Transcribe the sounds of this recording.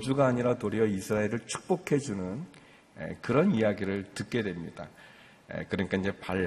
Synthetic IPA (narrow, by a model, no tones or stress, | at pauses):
d͡ʑuɡaːɲiɾatoɾiʌisʰɯɾaeɾɯɭt͡ɕʰu̥k̚p͈okʰe̞d͡ʑunɯn | ḛkɯɾʌnijaɡiɾɯɭtɯt̚k͈e̞dwe̞mɲid̥a̰ | ḛkɯɾʌɲik͈aiɲd͡ʑe̞paɭː